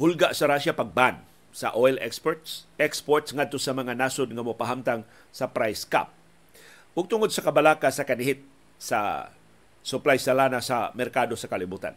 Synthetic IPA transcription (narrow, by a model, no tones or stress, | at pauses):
hʊlɡaʔsaɾaʃapaɡ̚ban | sɐ̰ʔojlʔɛ̰kspot̪sɛkspoɹt̪sŋad̪̚t̪o̞samɐŋanasod̪̚ŋamopaɦamt̪aŋ | sɐpɾajska̰p̚ | ʔʊɡ̚t̪ʊŋod̪̚sɐkɐbalaːkasakanɪɦɪt̪̚ | sa̰ | sʊplajsalanasamɛɾkad̪osakalɪbuːt̪a̰n